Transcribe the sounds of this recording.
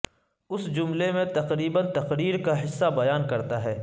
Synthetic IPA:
ʊsd͡ʒʊmlemẽt̪ɐqɾiːbənt̪ɐqɾiːɾkaɦɪsːabɐjaːnkɐɾt̪aɦɛː

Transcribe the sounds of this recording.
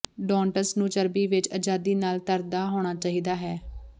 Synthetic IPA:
ɖɔ̃ːɳʈəsnũːt͡ʃəɾbiːʋɪt͡ʃəd͡ʒaːd̪iːnaːlt̪əɾd̪aːɦoːɽ̃aːt͡ʃaːɦiːd̪aːɦɛː

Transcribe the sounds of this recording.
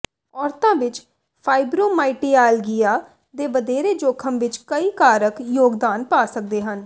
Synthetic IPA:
ɔːɾt̪ãːʋɪt͡ʃ | pʰaːɪbɾoːmaːɪʈiːaːlɡɪjaː | d̪eːʋəd̪eːɾeːd͡ʒoːkʰəmʋɪt͡ʃkəiːkaːɾəkjoːɡd̪aːnpaːsək̚d̪eːɦən

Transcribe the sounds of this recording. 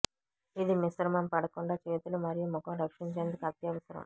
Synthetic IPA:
id̪imisɾɐmɐmpɐɽɐkuɳɖaːt͡ʃeːt̪ulumɐɾijumɔkɐ̃mɾɐkʂiɲt͡ʃeːnd̪ukɐt̪jɐʋɐsɐɾɐ̰m

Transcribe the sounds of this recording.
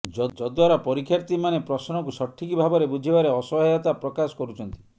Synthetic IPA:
d͡ʒɔd͡ʒɔd̪waɾapɔɾikʰːjaɾt̪imanepɾɔsnɔkusɔʈʰːikibʱabɔɾebud͡ʒʱibaɾeɔsɔɦɔat̪apɾɔkasɔ̥kɔɾut͡ʃʰɔnt̪i

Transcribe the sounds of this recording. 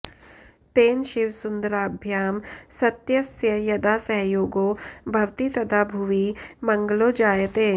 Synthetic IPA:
t̪eːnʃɪʋsʊnd̪ɾaːbʱjaːmsɐt̪jɐsjəjɐd̪asɐɦjoːɡobʱɐʋt̪it̪ɐd̪aːbʱuʋimɐ̃ŋɡloːd͡ʒaːjət̪eː

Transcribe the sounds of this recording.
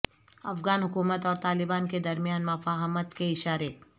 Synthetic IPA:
ɐfɣaːnɦʊkuːmət̪ɔːɾt̪aːlɪbaːnked̪ɐɾmijaːnmɐfaːɦmət̪keɪʃaːɾe

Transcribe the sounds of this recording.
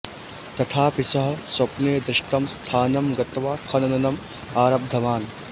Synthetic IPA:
t̪ɐt̪ʰaːpisɐɦɐsɐpneːd̪ɾɪʂʈɐmst̪ʰaːnɐmɡɐt̪ʋaːkʰɐnɐnɐnɐm | aːɾɐb̚d̪ʱɐʋaːn

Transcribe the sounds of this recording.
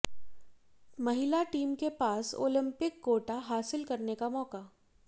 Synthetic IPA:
mɐɦɪlaʈiːmkepaːso̰ːlɪ̃mpɪkɡoːʈaɦaːsɪlkɐɾnekamɔːka

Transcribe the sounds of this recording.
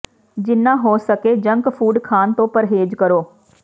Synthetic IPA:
d͡ʒɪnːãːɦoːsəkeːd͡ʒə̃ŋkpʰuːɖkʰaːnt̪õːpəɾɦeːd͡ʒkəɾoː

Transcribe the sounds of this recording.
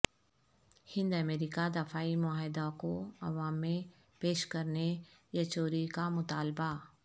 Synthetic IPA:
hɪ̃nd̪əmeːɾikad̪ɐfaːimʊaːɦd̪akoɐʋaːmːẽ | peːʃkɐɾnejɐt͡ʃoːɾikamʊt̪aːlba

